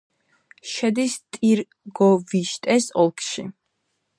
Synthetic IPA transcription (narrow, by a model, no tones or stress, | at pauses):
ʃɛd̪ist̪ʼiɾ | ɡɔviʃt̪ʼɛsɔlˠkʰʃḭ